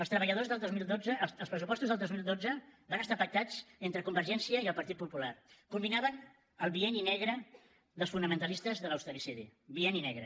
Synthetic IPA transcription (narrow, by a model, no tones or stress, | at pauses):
əlˠst̪ɾəβəʎəðozðəlˠd̪ozmilˠd̪od͡zəːlˠspɾəsupɔst̪uzðəlˠozmilˠd̪od͡zəbanəst̪apək̚t̪at͡sd͡zent̪ɾəkumbəɾʒɛnsiəiəlˠpəɾt̪it̪̚pupularkumbinaβən | əlˠβiɛninɛɣɾə | ðəlˠsfunəmənt̪əlist̪əzðələwst̪əɾisiðiβieninɛɣɾə